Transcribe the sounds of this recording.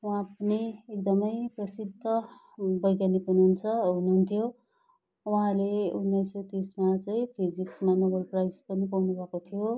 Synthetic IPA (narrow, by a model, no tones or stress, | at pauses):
wɦãpʌniek̚d̪ʌmʌjprʌsid̪ʱʌ | bʌjkanepʌniɦunt͡sʰʌɦunuɦunt̪ʰijo | wuɦãleunːʌjswet̪ismat͡saĩpʰid͡ziksmanobʌlprajspʌnipawnubʱʌkot̪ʰijo